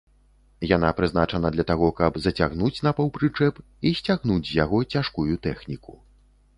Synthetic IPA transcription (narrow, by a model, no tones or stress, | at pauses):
jan̪apɾɨznat͡ʂɐnɐd̪lʲɐt̪aɣɔkɐbzɐt͡sʲaɣnut͡sʲnɐpɐwpɾɨt͡ʂɛp | isʲt͡sʲaɣnud͡zʲzʲjaɣɔt͡sʲaʂkujut̪ɛxnʲiku̥